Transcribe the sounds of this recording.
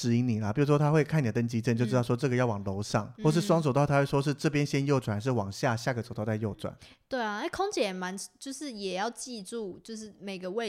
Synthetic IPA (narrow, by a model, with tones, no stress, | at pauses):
ɻ̩˧˥i˧˥ŋni˨˩lə˦pi˨˩ɻu˥ʂwɔ˥t̪ʰa˥xwe˥˩ɪkʰni˨˩d̪ə˩ə˥ŋt͡ɕi˥ʈ͡ʂə˥˩n˩t͡ɕjo˥˧ʊʈ͡ʂɻɑ˥˩ʊʂɔ˥ʈ͡ʂɤ˥˩ɡə˩˦jɑ˥˩ʊwɑ˨˩ŋlo˧˥ʊʂɑ̰˥˩ŋxwɔ˥˩ʂɻ̩˥˩ʂwɑ˥ŋt͡sd̪tʰa˥we˥˩ʂwɔ˥ʂ̬ɻ̩˥˧ʈ͡ʂɤ˥˩p̬jɛ˧˥nɕjɛ˦˥njo˥˩ʊʈ͡ʂwa˨˩nʂ̬ɻ̩˥˩wɑ˨˩ŋɕja˥˧ɕja˥˩ɡə˩t͡so˨˩t̪ɑ˥˧˩t͡sa˥˧ɪjo˥˩ʊt͡swa̰˨˩˦n | t̪we˥˩ɪɐ˨e˥ɪkʰo˥ŋt͡ɕjɛ˨˩ə˨˩ma˧˦n˨t͡ɕjo˥˧ʊʂɻ̩˥˩jɛ˨˩jɑ˥˧ʊt͡ɕi˥˧ʈ͡ʂu˥˧t͡ɕjo˥˧ʊʂɻ̩˥˩me˨˩ɪɡə˨we˥˧